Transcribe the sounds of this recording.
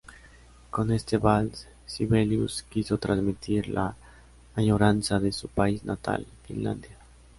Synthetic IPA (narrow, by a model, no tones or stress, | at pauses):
ko̞nest̪eβals | siβeljuskiso̞t̪ɾʔanzmit̪ʰiɾlaː | ɲoɾansaðesupaiznat̪a̰lfḭnla̰nd̪ja